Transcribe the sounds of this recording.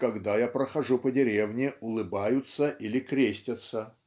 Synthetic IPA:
kɐɡd̪ajapɾəxɐʐupədʲɪɾʲevnʲɪʊlˠɨbajʊt̪səʔilʲɪkɾʲesʲtʲət̪sə

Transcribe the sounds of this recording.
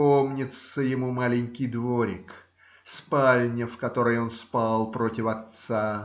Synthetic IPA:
o̞mnʲɪt̪səjɪmumalʲɪnʲkʲɪjd̪voɾʲɪ̰k | spalʲnʲɪfkɐt̪o̞ɾəjo̞nspalˠpɾo̞tʲɪfɐt̪sa

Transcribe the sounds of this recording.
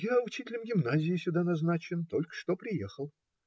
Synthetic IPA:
jaʊt͡ɕitʲɪlʲəmɡʲɪmnazʲɪɪsʲʊd̪anɐznat͡ɕɪnt̪o̞lʲkə̥ʂt̪o̞pɾʲɪjexəlˠ

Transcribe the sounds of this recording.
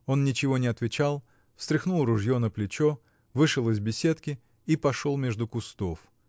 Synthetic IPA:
o̞nnʲɪt͡ɕɪvonʲɪɐt̪vʲɪt͡ɕalˠ | fst̪ɾʲɪxnulˠrʊʐjo̞nəplʲɪt͡ɕo | vɨʂɨlˠɪzbʲɪsʲe̞t̪kʲɪ | ipɐʂolˠmʲeʐd̪ʊkʊst̪of

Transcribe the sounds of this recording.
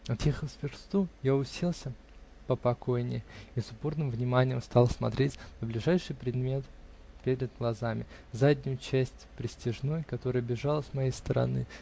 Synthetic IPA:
ɐt̪jexəlˠsʲpʲɪrst̪ujaʊsʲelˠsʲə | pəpɐko̞jnʲɪ̰isʊpornɨmvnʲɪmanʲɪjəmst̪ɑlˠsmɐ̰t̪ɾʲetʲnəblʲɪʐajʂɨjpɾʲɪd̪mʲe̞t̪ | pʲeɾʲɪd̪̚ɡlˠɐzamʲɪ | zadʲnʲʊjʊt͡ɕæsʲtʲpɾʲɪsʲtʲɪʐno̞jkɐt̪o̞ɾəjəbʲɪʐalˠəsmɐjejst̪əɾɐ̰nɨ̰

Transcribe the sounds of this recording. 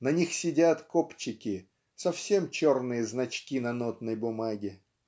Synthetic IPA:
nɐnʲixsʲɪdʲat̪kopt͡ɕːɪkʲɪ | sɐfsʲemt͡ɕo̞rnɨjəznɐt͡ɕkʲinɐnot̪nəjbʊmaɡʲɪ

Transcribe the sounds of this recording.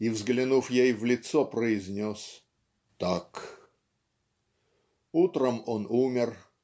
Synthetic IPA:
ivzɡlʲɪnufjejvlʲɪt̪sɔpɾəɪzʲnʲos | t̪ak | ut̪ɾəmonumʲɪr

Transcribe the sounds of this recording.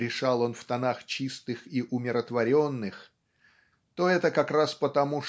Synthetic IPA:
ɾʲɪʂalˠo̞nft̪ɐnaxt͡ɕist̪ɨxiʔʊmʲɪɾət̪vɐɾʲo̞nːɨx | t̪o̞ɛt̪əkɐkɾaspət̪ɐmu

